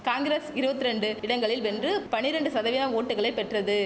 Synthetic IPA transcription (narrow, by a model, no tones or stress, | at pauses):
kaːŋɡɪɾesɪɾɯbɐt̪ːɪɾɛɳɖɯɪɽɐŋɡɐɭɪlʋɛndrɯpɐɳɪɾɐɳɖɯsɐðɐʋɪnɐmoːʈːɯɣɐɭɐɪpːɛʈrɐðɯ